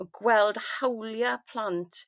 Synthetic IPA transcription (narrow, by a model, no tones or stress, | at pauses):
ɡwɛlˠd̥hawljapʰl̥ˠantʰ